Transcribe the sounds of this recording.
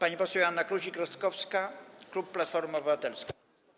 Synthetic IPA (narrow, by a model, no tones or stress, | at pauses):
paɲipɔsɛwanːakluʑikɾɔst̪kɔfskaklupːlat̪fɔɾmuɔbɘvat̪ɛlska